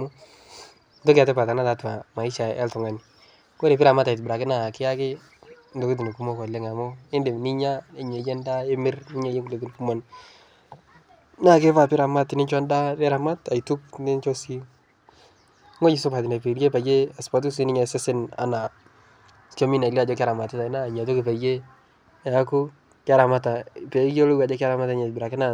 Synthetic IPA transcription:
mʊ˦ | tɔ˦ka˨tɛ˦pa˨ta˨na˦ta˨tʊ˨a˨ma˨i˦ʃa˨ɛ˦ltʊ˨ŋa˨nɪ˨ | ko˦ɾe˨pɪ˦ɾa˨ma˦ta˨t̬u˨bɾa˨kɪ˦na˦˨kɪ˦a˦kɪ˦ | ndo˨ki˦t̬i˨ne˨ku˦mɔ˦kɔ˨lɛ˦ŋa˨mʊ˦ɪ˦nde˨ni˦ɲa˦e˦ɲe˨d͡ʒɛ˦nda˦e˦mɪ˦rnɪ˦ɲa˦je˦ku˨le˨t̬i˨n˨ku˦mɔ˦n | na˦˨ke˦fa˦˨pɪ˦ɾa˨ma˦tɪ˨nɪ˦t͡ʃɔ˦nda˦dɛ˦ɾa˨ma˦ta˨i˨tʊ˦k̚nɪ˦t͡ʃɔ˦si˦ | ŋo˦ɲi˨sʊ˦pa˨t̬ɪ˨na˨pe˨ɾje˦pa˨je˦a˨spa˨t̬u˦s̬i˦nɪ˦ɲa˨sɪ˦sɪ˦na̰˨na˨ | so˦mi˦na˨li˦a˨d͡ʒɔ˦k̬a˦ɾa˨ma˨tɪ˦ta˨˦na˦˨ɲa˨t̬ʊ˦kɪ˨pa˨je˦˨ | a˦kʊ˦ | kɪ˦a˦ɾa˨ma˦ta˨pe˨˦jo˦lo˦ɡa˨d͡ʒɛ˦ka˦ɾa˦ma˦tɲɛ˨bɪ˨ɾa˨kɪ˦na˦

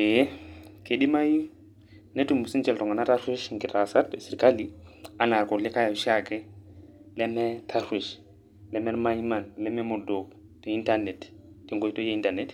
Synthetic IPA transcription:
e | ke˨ɗi˦ma˦ju˦ | ne˦tu˨mu˨si˦nt͡ʃɛ˦ltɔ˨ŋɡa˨na˦ta˦ɾwi˦ʃŋki˨ta˨sa˦ɾtsi˨ɾka˦li˦a˦na˨ɾkɔ˨li˦ka˦ja˨ʃakɛ˦ | lɛ˦mɛ˦tʰa˦ɾwi˨ʃ | lɛ˦mɛ˦ɾma˦jma˨nlɛ˦mɛ˦mɔ˨do˨ | te˨i˦nta˦ɾnɛ˨tti˨ŋɡo˦jto˦je˦i˦nta˨ɾnɛ˦t

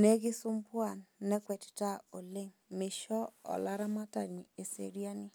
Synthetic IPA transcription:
nɛ˦ɡɪ˦sʊ˦mpwa˦˨nːɛ˦kwɛ˨ti̥˨ta˦o˨le˦ŋmɪ˨ʃɔ˦ɔ̰˨la˦ɾa˦ma˦ta˨ɲi˨e˨sḛ˨ɾi˦a˦nɪ˦

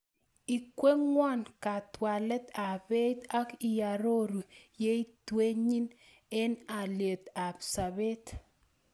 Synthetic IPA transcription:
i˨kwe˦ŋwɔ˦nka˨t̪wa˨lɛ˦t̪a˨be˦t̪a˦ki˨ja˨ɾo˦ɾu˨je˦i˦twe˦ɲi˦n | ɛ˦na˨lje˨t̪a˨bsa˨be˦t̪

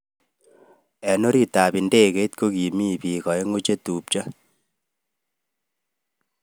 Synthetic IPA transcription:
ɛ˨no˦ɾi˦ta˨bi˨nde˦ɣe˦t̚ko˦ki˨mi˦˨bi˨ɣɔ˨e˦ŋu˦t͡ʃe˦tu˨p̚t͡ʃa˦

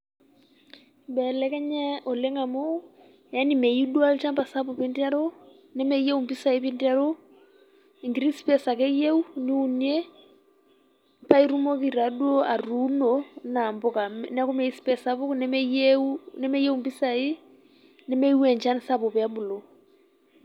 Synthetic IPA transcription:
bɛ˨lɛ˦kɛ˦ɲɛ˦ɔ˨lɛ˦ŋa˨mo˦ | ja˦ni˨me˨ji˦du˦a˦lt͡ʃa˦mba˨sa˦p̬ɔ˨pi˦ndi˦a˦ɾo˦ | nɛ˦mɛ˦je˦u˨mpi˦sa˨i˦pi˦ndi˦a˦ɾo˦ | i˨ŋɡɾi˦spɛ˨sa˨kɛ˦je˦u˦ni˦u˦nie˦ | pa˦i˦ɾu˦mo˦ki˨ɾa˨dwo˦a˨ɾu˦nona˨mbɔ˦ka˨nɛ˦kɔ˦mɛ˨i˦spɛ˨sa˦pɔ˦knɛ˦m˦jeunɛ˦mɛ˦je˦u˦mpi˦sa˨i˦ | nɛ˦me˦wɛ˨ɲt͡ʃa˦nsa˦pɔ˨pɛ˨a˦bu˨lo˨

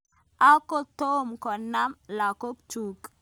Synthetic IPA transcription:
a˦ko˦t̪o˦mkɔ˨na˦mla˨ko˦kt͡ʃu˨k

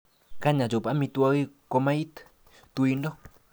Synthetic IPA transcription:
ka˦ɲã˨d͡ʒo˨pa˦mĩ˧t̪u˧a˧ɣi˦ko˧mã˦i˦t̪ | t̪u˧i˧ndo˦

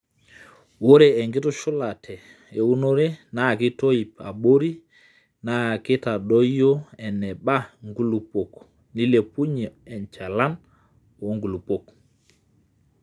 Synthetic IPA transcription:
wo˦ɾeː˨ŋɡɪ˦tɔ˦ʃʊ˦la˨tʰɛ˨ | e˨u˦no˦ɾe˦na˦˨ki˦to˦i˨pa̰˨ɓo˦ɾi˦ | na˦˨kɪ˦ta˨ɗɔ˦jjo˦ɛ˨nɛ˨ɓa˦ŋɡu˦lu˨po˨k | ni˦le˨pu˦ɲe˨ɛ˨nt͡ʃa˨la˦n | o˨˦ŋɡu˨lu˨po˦˨k

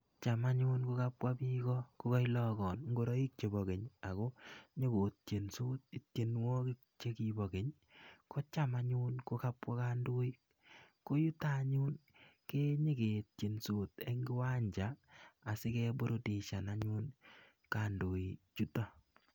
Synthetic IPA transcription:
t͡ʃa˨ma˦ɲu˦nko˦ka˦pwa˦pi˦ɡɔ˦ko˦kɔ˦i˦lɔ˦ɡɔ˨nŋɡo˦ɾɔ˦i˦k̚t͡ʃe˨bɔ˨ɡe˨ɲa˨ko˦ɲe˦ko˨t̚t͡ʃe˨nsu˦t̚i˨tt͡ʃe˨nwɔ˦ki˦kt͡ʃe˦kibɔ˨ke˨ɲ | kɔ˦t͡ʃa˦ma˦ɲu˦nko˦ka˦pwɔ˦ka˦ndo˦i˦ | ko˦ju˦ta˦ɲu˦nke˦ɲe˦ke˨t̚t͡ʃe˨nsoː˨te˦ŋɡi˦wa˦ɲd͡ʒaː˨˦˨sɪ˦kɛ˦bo˦ɾo˦te˨ʃa˨na˦ɲu˦n | ka˨ndo˨i˨t͡ʃu˦tɔ˦

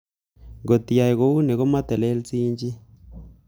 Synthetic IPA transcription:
ŋɡo˨t̪i˨ja˨i˨ɣo˦u˦ne˨ɣo˦ma˦tɛ˨le˦lt͡siː˦ɲd͡ʒi˦

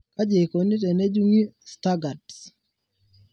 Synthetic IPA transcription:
ka˦d͡ʒe˨ko˨ni˦t̬ɛ˨nɛ˦d͡ʒu˦ŋi˦sta˦ɡa˨ds

